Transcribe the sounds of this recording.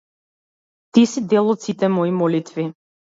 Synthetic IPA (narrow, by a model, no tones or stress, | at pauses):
t̪isid̪ɛlˠɔt̪sit̪ɛmɔimɔlit̪vi